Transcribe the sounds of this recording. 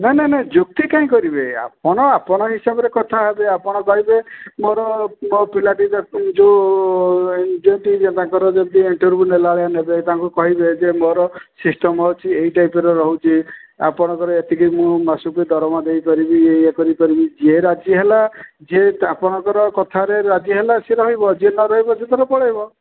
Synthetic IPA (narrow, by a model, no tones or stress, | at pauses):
nanened͡ʒuk̚t̪ikaĩkɔɾibea̰pɔɽ̃ɔapɔɽ̃ɔɦisabɔɾekɔt̪ʰaɦebeapɔɽ̃ɔkɔɦibemoɾɔɔpilaʈiɾd͡ʒo | d͡ʒɔʈid͡ʒet̪aŋkɔɾɔd͡ʒɔd̪ieɳʈoɾbunelaɭejanebet̪aŋkukɔɦibed͡ʒemoɾɔsisʈɔmɔt͡ʃʰieiʈajpeɾɔɾɔɦut͡ʃʰia̰pɔɽ̃ɔkɔɾɔet̪ʰikimũmasuked̪ʱɔɾɔmad̪ejpaɾibiejakɔɾipaɾibid͡ʒieɾad͡ʒiɦelad͡ʒeapɔɽ̃ɔkɔɾɔkɔt̪ʰaɾeɾad͡ʒiɦelaseɾɔɦibɔd͡ʒienɔɾɔɦibɔset̪aɾɔpɔɭaɦbɔ